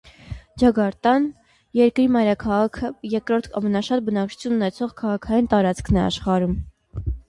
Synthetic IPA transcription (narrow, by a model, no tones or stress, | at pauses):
d͡ʒɑɡɑɾt̪ɑn | jɛɾkɾimɑjɾɑkʰɑʁɑkʰəjɛkɾɔɾt̪ʰɑ̰mɛnɑʃɑt̪̚bənɑk̚t͡ʃʰu̥t͡sʰjununɛt͡sʰɔʁkʰɑʁɑkʰɑjint̪ɑɾɑt͡skʰnɛɑ̰ʃχɑɾum